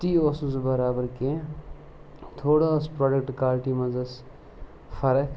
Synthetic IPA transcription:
t̪iːoːsũsbɐɾaːbəɾke | t̪ʰoːɽaspɾoːɖək̚ʈkaːlʈimɐzɐs | fɐɾək

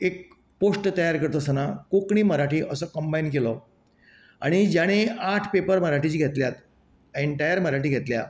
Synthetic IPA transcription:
ek̚ | poʂʈt̪əjaɾkəɾt̪ɔsənakokɳ̃iːməɾaʈʰiːʔəsəkəmbajinkelɔ | a̰ɽ̃id͡ʑaɽ̃eaʈʰpepəɾməɾaʈʰit͡ɕiːɡʱet̪ljat̪ | eɳʈajəɾməɾaʈiːɡʱet̪lja

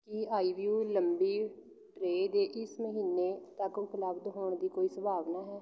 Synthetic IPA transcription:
kɪaːiːʋjuːləmbiː | ʈɾeːd̪eːʔɪsməɦiːneːt̪əkʊpləbd̪ɦoːɳ̃d̪iːkoːiːsəbʱaːʋnaːɦɛː

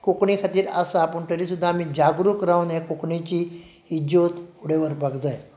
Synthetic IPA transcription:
kokɳikʰat̪iːɾasapəɳʈəɾisud̪ʱːamid͡ʑaɡɾukɾawnekokɳit͡ɕiː | d͡ʑot̪uɽeʋəɾbʱəɡd̪əj

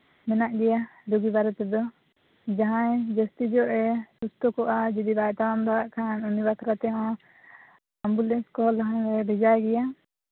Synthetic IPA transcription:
mɛnaʔɡɛjaɾuɡibaɾɛt̪ɛd̪ɔ | d͡ʒaɦãd͡ʒəst̪id͡ʒɔʔɛsust̪ɔkɔʔad͡ʒɛd̪ibajt̪aamd̪aaʔkʰanunibak̪ʰɾat̪ɛjɔ̃ | ambulɛnskɔlɦɾɛbʱɛd͡ʒaɡɛja

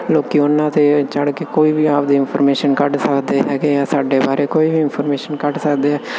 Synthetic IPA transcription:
loːkiːʊnːãːt̪eːt͡ʃəɽkeːkoːiːbiːaːpd̪iːɪnpʰɔːɾmeːʃənkəʈsəkd̪eːɦɛːɡeːaːsaːɖeːbaːɾeːkoːiːbiːɪnpʰɔːɾmeːʃənkəʈsəkd̪eːɦɛː

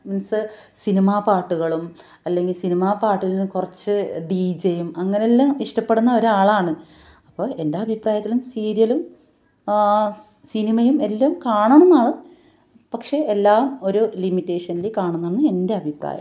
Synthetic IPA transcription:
mɐnɐsɨ | sinimaːpaːʈːuɣɐɭum | ɐlːe̞ŋɡilsinimaːpaːʈːilnnɨkurɐt͡ɕːɨɖid͡ʑejumɐŋːɐneelːaːmiʂʈɐpːe̞ɽunːɐo̞ɾuaːɭaːɳɨ | ɐpːo̞ːe̞ndeɐbʱipraːjɐt̪ːilumsiːɾijɐlum | sinimɐjume̞lːaːmkaːɳɐɳunːaːɭɨ | pɐkʂe̞elːaːmo̞ɾulimitːe̞ːʂɐnilekːaːɳunːɐnːɨe̞nde̞ɐbʱipra̰ːjɐ̰m

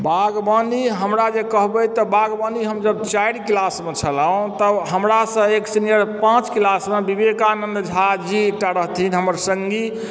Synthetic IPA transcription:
baɡbəniɦəmɾad͡ʒekəɦbəjt̪əbaɡbəniɦəmd͡ʒəb̚t͡ʃajɽkilasmet͡ʃʰəlaũt̪əɦəmɾasə̃eksinijəɾpãt͡ʃkilasmebibekanənd̪d͡ʒʱad͡ʒiek̚ʈaɾəɦt̪ʰinɦəməɾsəŋɡi

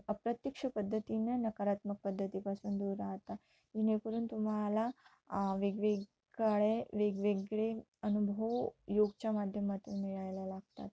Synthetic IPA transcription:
əpɾət̪jəkʂəpəd̪ʱːət̪inenəkaɾat̪mək̚pəd̪ʱːət̪iːpasuːnd̪uɾaɦət̪a | inekəɾuːnt̪um̤ala | ʋeɡʋe | aɭeʋeɡʋeɡɭe | ənubʱəwjoɡt͡ɕamad̪ʱjəmat̪uːnmiɭajlalaɡ̚t̪a̰t̪̚

